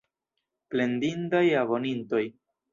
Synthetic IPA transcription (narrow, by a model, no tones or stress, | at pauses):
ple̞ndindajavo̞ninto̞j